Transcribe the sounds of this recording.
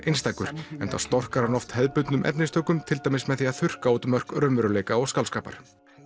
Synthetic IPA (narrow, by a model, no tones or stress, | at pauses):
ʔejnst̪aːkʏɾ̥ɛnt̪a̰st̪ɔr̥kaɾanɔft̪hɛðpʏt̪nʏmʔɛ̰pnɪst̪ʰœːkʏmt̪ʰɪlt̪ajmɪsmɛðθiaðθʏr̥kaoːt̪ʏmːœr̥kɾœmvɛɾʏleːjkaɔɣskawlskaːpa̰ɾ̥